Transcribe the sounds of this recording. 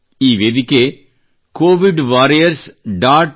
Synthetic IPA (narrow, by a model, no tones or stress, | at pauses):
iːʋeðɪkːeː | koːʋɪɖʋaːɾijɐɾsɖaːʈ